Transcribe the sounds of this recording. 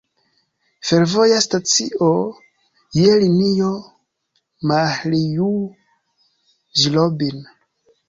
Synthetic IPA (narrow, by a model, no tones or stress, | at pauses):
feɾvo̞jastat͡sio | jelinijo | maliju | ʒilobin